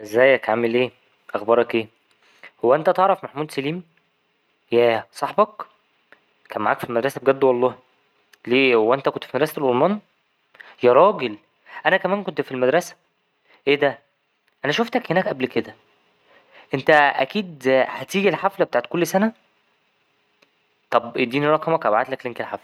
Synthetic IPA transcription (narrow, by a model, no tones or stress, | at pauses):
ʔezːæjːækʕamelʔeː | ʔɑxbɑɾˤɑkʔeː | howːæʔent̪æt̪eʕɾˤɑfmaħmuːd̪sæliːm | jæːsˤɑħbɑk | kæːnmaʕaːkfilmæd̪ɾˤɑsæb̚eɡæd̪ːwɑlˤːɑːh | leːhowːæʔent̪ækont̪fimæd̪ɾˤɑsælʔolˤmɑːn | jæɾˤɑːɡel | ʔænækæmæːnkont̪filmæd̪ɾˤɑsæ̥ | ʔeːd̪æ | ʔænæʃoft̪ækhenæːkʔæblked̪æ | ʔent̪æʔæ̰kiːd̪hæt̪iːɡilħaflæbe̥t̪aːʕt̪kolːsænæ | t̪ˤɑbʔed̪ːiːnirˤɑːkɑmɑkʔæbʕat̪lækleŋkelħaflæ